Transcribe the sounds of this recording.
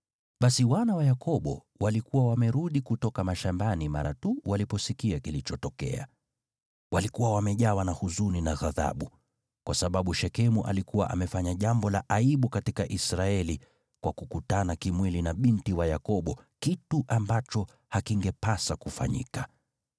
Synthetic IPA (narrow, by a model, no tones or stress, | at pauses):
ɓasiwanawajakɔɓɔ̰ | walikuwawamɛɾuɗikutɔkamaʃambanima̰ɾa̰tuwalipɔsikiakilit͡ʃɔtɔkɛ̰a̰ | walikuwawamɛʄawanahuzuninaɣaða̰ɓu | kwasaɓaɓuʃɛkɛmuʔa̰likuwa̰ʔamɛfaɲaʄambɔlaʔaiɓukatikaʔisɾaɛli | kwakukutanakimwilinaɓintiwajakɔɓɔkituʔambat͡ʃɔ | hakiŋɡɛpasakufa̰ɲḭka